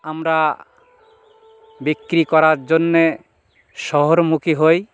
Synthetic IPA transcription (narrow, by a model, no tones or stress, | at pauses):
amɾa | bikːɾikɔɾaɾd͡ʒonːe | ʃɔɦoɾmukiɦoj